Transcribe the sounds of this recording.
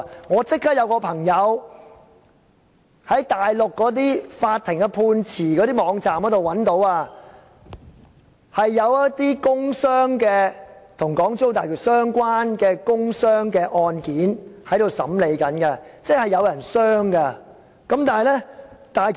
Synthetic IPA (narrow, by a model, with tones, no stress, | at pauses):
ŋɔː˨˧t͡sɪ˥k̚ʰːɐ˥jɐ˨˧wkɔː˧pʰɐ˨˩ŋjɐ˨˧w | hɐ˨˥jt̪aː˨jlʊ˨kːɔː˨˥t̪̬iː˥faː˧t̪ʰɪ˨˩ŋkɐ˧pʰuː˧nt͡sʰiː˨˩kɔː˨˧˥ɾiː˥mɔː˨˧ŋt͡saː˨mhɐ˨˥t̪o˨wɐ˨˥nt̪o˨˥waː˧ | hɐ˨jːɐ˨˧wjɐ˥t̚t̪iː˥kʊ˥ŋsœː˥ŋkɛː˧t̪ʰʊ˨˩ŋkɔː˨˥ŋt͡so˥wt̪aː˨ky˨sœː˥ŋkʷwaː˥nkɛː˧kʊ˥ŋsœː˥ŋkɛː˧ʔɔː˧nkiː˨˥nhɐ˨˥jt̪ɾo˨˧wsɐ̰˨˥mle˨˧jkɐ˨˥nkɐ˧t͡sɛ˥k̚hɐ˨jɐ˨˧wjɐ˨˩nsœː˥ŋkɐ˧ | kɐ˨˥mt̪aː˨˩ɐ˨jlɛ˥t̪aː˨